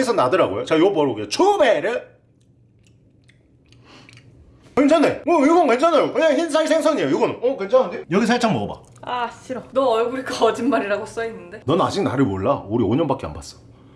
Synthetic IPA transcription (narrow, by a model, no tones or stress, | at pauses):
es̬ʰʌnadɯɾaɡojot͡ɕajopʌɾoɡiot͡ɕʰubeɾɯɭ | kend͡ʑʰanemʌiɡʌnkend͡ʑʰanajokɯɲaŋçinsʰaŋisʰeŋsʰʌŋiejojiɡʌnɯnʌkwent͡ɕʰannejʌɡis̬ʰʌɭt͡ɕ͈ʰaŋmʌɡʌba̰ | aɕ͈iɾʌnʌʌɭɡuɾik͈ʰaʌd͡ʑinmaɾiɾaɡos͈ʌinːɯnde̞nʌna̰d͡ʑik̚naɾɯɭmoɭːauɾioɲʌnbak͈ea̰nbas͈ʌ̥